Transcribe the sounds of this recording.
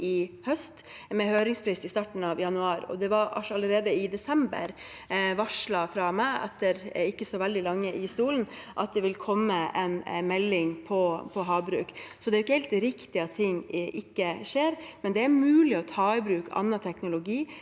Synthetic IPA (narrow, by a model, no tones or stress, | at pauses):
ɪhœst̪ | mɛhøːɾɪŋspʰɾiːsɪst̪ɑʈn̩ɑʋjɑnʉɑːɾɔ̰d̪ɛʋɑɾɑ̰ɑlːəɾeːd̪əɪd̪ɛsɛmbə̰ɾ | ʋɑʂɭɑfɾɑmæɪʔɛ̰t̪ːəɾɪkːəsɔʋɛld̪ɪlɑŋːəʔɪst̪uːln̩ʔɑt̪̚d̪ɛʋɪlkʰɔmːəɛ̰nmɛlːɪŋpʰɔpʰɔɦɑːbɾʉ̰ːksɔd̪ɛɾjɪkːəhɛɪlt̪ɾɪkt̪ɪɑt̪ʰːɪŋːʔɪkːəʂeːɾmɛnd̪ɛæɾmʉːlɪɔt̪ʰɑːɪbɾʉːkɑ̰nːɑt̪ʰɛknʊlʊɡiː